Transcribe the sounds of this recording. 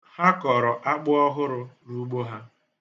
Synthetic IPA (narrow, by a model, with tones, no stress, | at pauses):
ha˦kɔ˨ɾɔ˨ʔa˦k͡pʊ˦ɔ˦ɦʊ˦ɾʊ˦ɾu˦ɡ͡bo˦ɦa˦